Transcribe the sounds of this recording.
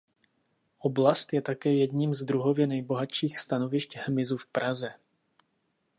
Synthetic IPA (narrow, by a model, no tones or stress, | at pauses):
ʔoblast̪jɛt̪akɛːjɛd̪ɲiːmzd̪ɾuɦovjɛnɛjbo̞ɦat̪ʃiːxst̪anovɪʃchmɪzufpɾʔazɛ